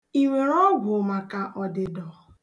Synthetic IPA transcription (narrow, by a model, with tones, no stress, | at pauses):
i˨we˨ɾɔ˦ɡʷʊ˨ma˨ka˨ʔɔ˨dɪ˨dɔ˨